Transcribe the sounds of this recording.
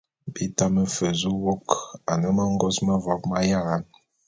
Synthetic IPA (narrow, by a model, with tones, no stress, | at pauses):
bi˦ta˦mə˦fə˨zu˦wo˦ka˨nə˦ma˦ŋ˦ɡɔ˦sma˦vɔ˨˦k̚ma˦ja˦˨ɣa˨˦n